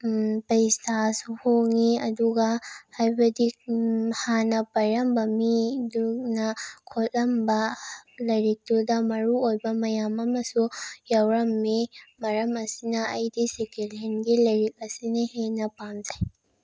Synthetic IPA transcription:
pɐistʰasuhoŋiɐduɡɐhajbɐdikhanɐpɐɾɐmbɐmiduknɐkʰotɐmbɐlɐjɾik̚todɐmɐɾuojbɐmɐjamɐmɐsujawɾɐmːimɐɾɐmɐsinɐːjdisekelenɡilɐjɾik̚ɐsinihenɐpamzaj

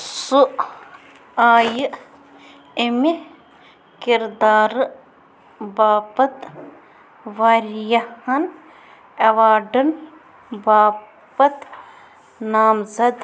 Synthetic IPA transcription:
suʔ | aːjɨ | emi | kiɾd̪aːɾ | baːpɐt̪ | ʋaɾjɐhɐn | ɐʋaːɖɐn | baː | pɐt̪ | naːmzɐd̪

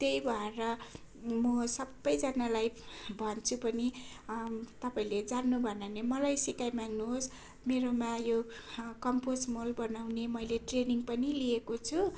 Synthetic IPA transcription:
t̪eibʱʌeɾʌ | mʌsʌbːʌjd͡zanalajbʱʌnt͡sʰupʌni | t̪ʌpaĩled͡zanːubʱʌnanemʌlajsikajmaŋnuɦos | meɾomajo | kʌmposmolbʌnawnemʌjleʈreniŋpʌniliekot͡sʰu

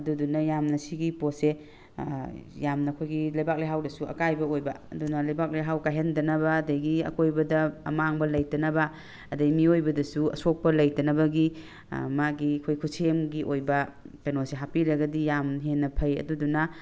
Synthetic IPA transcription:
ɐdudunɐjamnɐsiɡipose | jamnɐkʰojɡilɐjbak̚lejɦawdɐsuɐ̰kajbɐojbɐɐdunɐlɐjbak̚lejɦawkajɦendɐnɐbɐːdɐjɡiɐ̰kojbɐdɐːmaŋbɐlɐjtɐnɐbɐ | ɐdɐimiojbɐdɐsuɐ̰sok̚pɐlɐjtɐnɐbɐɡi | maɡikʰojkʰusemɡiʔojbɐpenoseɦapiɾɐɡɐdijamɦenːɐpʰɐjɐ̰dudunɐ

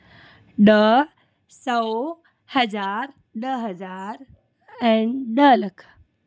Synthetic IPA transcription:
ɗə | səo | hɐzaːɾ | ɗəɦɐzaːɾ | ɛ̃ːnɗəlɐkʰ

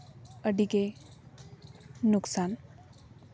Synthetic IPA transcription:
əɖike | nuksan

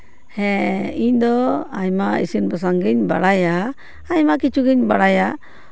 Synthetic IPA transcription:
hɛ̃iɲd̪ɔajmaḭsinbəs̬aŋɡiɲba̰ɽajaː | jmakit͡ʃuɡiɲbaɽaja

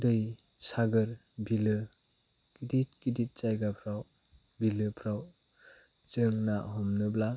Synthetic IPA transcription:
dɯj | saɡɯɾ | bilɯ | kidit̚kidit̚t͡ʃajɡapʰɾaw | bilɯpʰɾaw | t͡ʃɯŋnaɦɔmnɯbla

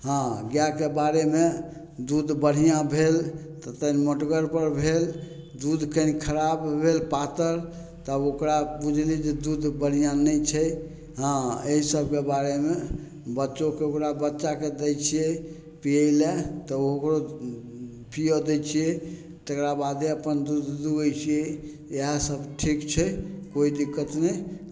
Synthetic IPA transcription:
ɦãɡjakebaɾeme | d̪ud̪bəɽ̤ijãbʱelt̪ət̪ənməʈɡəɾpəɾbʱel | d̪ud̪ʱkənikʰəɾabbʱelpat̪əɾ | t̪ɔokɾabud͡ʒʱlid͡ʒed̪ud̪bəɽ̤ijãnət͡ʃʰɛ | ɦãeɦisəbʱkebaɾeme | bətːʃokeokɾabətːt͡ʃaked̪əjt͡ʃʰijɛ | piəjlɛt̪ɔokɾo | pijod̪ɛjt͡ʃʰijɛ | t̪əkɾabad̪eəpənd̪ud̪d̪uɡəjt͡ʃʰijɛ | jeɦəsəbʈʰikt͡ʃʰɛkoid̪ikːət̪nɛ

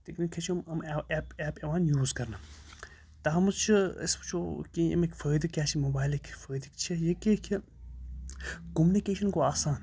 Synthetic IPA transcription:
t̪eknikʰːɐt͡ʃʰimɐmepeːpeʋaːnjuːzkɐɾnɐ | t̪ɐɦɐmɐt͡ʃʰiɐ̰sbt͡ʃʰokʲiɐ̰mekʲfɐɾiːd̪ikːʲaːt͡ʃʰimobaːjlekʲʰfɐɾiːd̪ikt͡ʃʰijikekʰi | komunikeːʃɐnkoaːsaːn

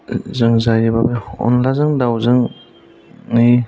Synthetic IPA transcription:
zɯŋzajibabeɔ̰nlazɯŋdawzɯŋ | ij

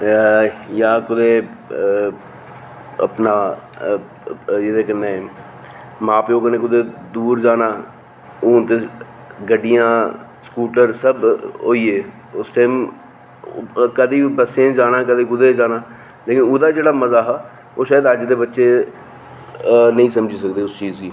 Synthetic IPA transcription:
jaːkʊd̪eː | ə̰pnaː | d͡ʒɪd̪eːkənːeː | mãːpeoːkəneːk̬ʊd̪eːd̪uːɾd͡ʒaːnaː | oːt̪e | ɡəɖɪjãː | skuːʈəɾsəbɦoːiːeː | ʊsʈaːm | kəd̪iːbəsẽːd͡ʒaːnaːkəd̪eːkʊd̪eːd͡ʒaːnaː | leːkɪnoːd̪aːd͡ʒeːɽaːməzaːɦaː | oːʃaːjəd̪əd͡ʒd̪eːbətːʃeː | nəĩːsəmd͡ʒiːsəkd̪eːʊst͡ʃiːzɡiː

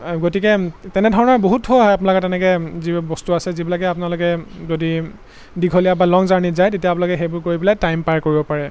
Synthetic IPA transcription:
ɡotikɛtɛnɛdʱɔɹɔnaɹboɦuthoaɦɔjapnalɔkɛtɛnɛkɛzibɔstuasɛzibilakɛapʊnalokɛzodi | diɡʱolijabalɔŋzaɹnitzajtetijaapnalɔkɛxejbʊɹkoɹibilajtajmpaɹkoɹibɔpaɹɛ

